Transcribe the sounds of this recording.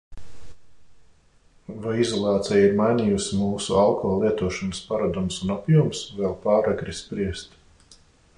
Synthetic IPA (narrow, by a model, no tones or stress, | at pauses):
vajizɔlˠɑːt̪sɛjaiɾmajnʲijusimuːsualˠkʰɔːlˠiɛt̪uɔʃɔnəspaɾad̪umsunapjuɔmsvɛlˠpaːɾaɡɾispɾiɛst̪